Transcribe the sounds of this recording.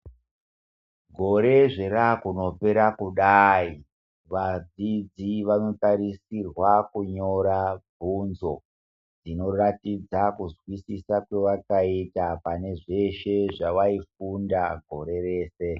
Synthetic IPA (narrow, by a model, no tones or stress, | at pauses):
ɡʱo̞ɾe̞ʐe̞ɾakuno̞pe̞ɾakuɗai | ʋad͡zid͡ziʋano̞taɾisirwakuɲo̞ɾab͡vʱunzo̞ | d͡zino̞ratid͡zakuzwisisakwe̞ʋakaitapane̞ʐe̞ʃe̞ʐaʋaifundaɡʱo̞ɾe̞reːse̞